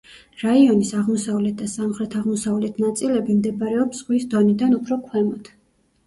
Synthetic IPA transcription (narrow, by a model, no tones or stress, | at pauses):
ɾaiɔnisaʁmɔsavlɛt̪̚ʰd̪̥asamχɾɛt̪ʰaʁmɔsavlɛt̪ʰnat̪sʼilɛbimd̪ɛbaɾɛɔpsʁwisd̪ɔnid̪anupʰɾɔkʰwɛmɔt̪ʰ